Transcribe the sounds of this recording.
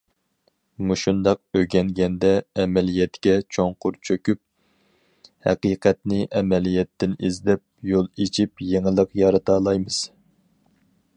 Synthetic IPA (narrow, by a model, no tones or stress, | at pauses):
muʃund̪ɑq̚øɡʲɛŋɡʲɛnd̪ɛːmɛlijɛt̪kʲɛt͡ʃʰoŋqʊɾt͡ʃʰøkʲyp̚ | hæ̰qiːqʰɛt̪nɪʔɛmɛlijɛt̪ːɪnizd̪ɛp̚jolˠet͡ʃʰip̚jeŋɪlˠəqjɑɾɨt̪ɑːlˠɑjmɨz̥